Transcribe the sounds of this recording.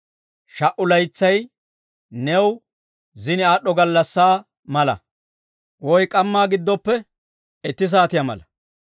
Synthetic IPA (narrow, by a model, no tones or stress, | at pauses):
ʃɐʔʊlɐjt͡sːɐj | nɛw | zɪnɪaːɗɔɡɐlːɐsːaː | mɐlɐ̰ | wɔjkʼɐmːaːɡɪd̪ːɔpːɛ | ɛt̪ːɪs̬aːt̪ɪjɐmɐ̰lɐ